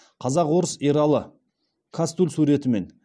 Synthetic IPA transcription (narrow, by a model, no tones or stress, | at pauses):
qʰɑzɑqwo̞ɾəsiɾɑlˠə | kʰast̪ulʲsuɾe̞t̪ɪme̞n